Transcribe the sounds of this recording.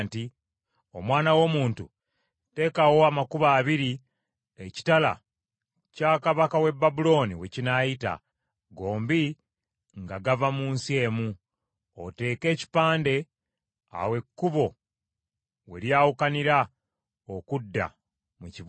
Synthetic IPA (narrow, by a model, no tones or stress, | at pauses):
nti | o̞mwaːnawo̞muːntu | te̞ːkawo̞amakuβaːβiɾi | eci̥tala̰ | caːkaβakawe̞bːabulo̞ːniwe̞cinajita̰ | ɡo̞ːmbi | ŋɡaɡavamuːnsie̞ːmu | o̰te̞ːke̞ːci̥paːnde̞ | a̰we̞kːuβo̞ | we̞̰ɾjaːwukaniɾa | okudːa̰ | muciβ